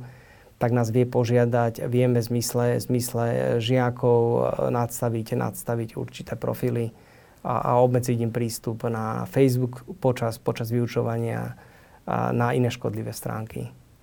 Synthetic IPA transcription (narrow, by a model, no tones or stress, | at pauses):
t̪aɡnaːzʋɪɛpɔʒɪad̪acʋɪɛmɛzmislɛzmislɛʒɪakɔʊnat̪st̪aʋiɟnʔa̰t̪st̪aʋiɟṵɾt͡ʃi̥t̪ɛːpɾɔ̰filḭ | ʔa̰ɔbmɛd͡ziɟimpɾiːst̪upnafɛjzbukpɔt͡ʃaspɔt͡ʃazʋiut͡ʃɔʋaɲɪa̰ | nainɛːʃkɔ̰d̪liʋɛːst̪ɾa̰ːŋkḭ